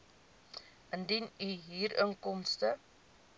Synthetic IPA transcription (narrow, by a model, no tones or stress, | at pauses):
ʔəndinyɦiːrəŋkɔmstə